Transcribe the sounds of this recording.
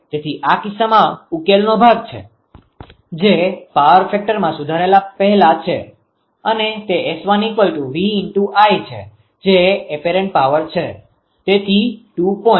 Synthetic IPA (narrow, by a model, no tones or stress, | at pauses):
t̪et̪ʰiʔakisamãukelnobʱaɡ̚t͡ʃʰḛ | d͡ʒepaʋəɾfʰɛk̚ʈəɾmãsud̪ʱaɾaelapəɦlat͡ʃʰḛ | ənet̪eːsʋanikʋəlʈũʋiːnʈuʔajt͡ʃʰḛ | d͡ʒeːpeɾẽɳʈ̚paʋəɾt͡ʃʰe | t̪et̪ʰiʈupɔ